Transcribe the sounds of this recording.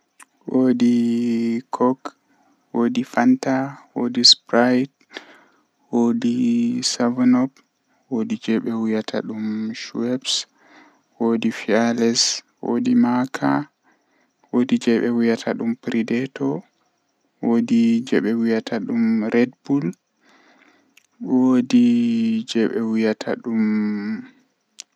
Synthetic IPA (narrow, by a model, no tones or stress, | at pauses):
wodi | kʰɔk | wodifantawodispɾajt | wodisavnɔb | wodid͡ʒɛɓɛwujatʰa̰ɗumʃuwɛps | wodifialɛs | wo̰dimakʰa̰ | wodid͡ʒɛɓɛwujatʰaɗumpɾidɛtʰɔ | wodid͡ʒɛɓɛwujatʰaɗumɾɛdbul | wodid͡ʒɛɓɛwujatʰa̰ɗum